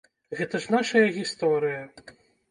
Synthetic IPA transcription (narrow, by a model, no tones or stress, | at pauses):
ɣɛt̪ɐʐnaʂɐjɐɣʲist̪ɔɾɨjɐ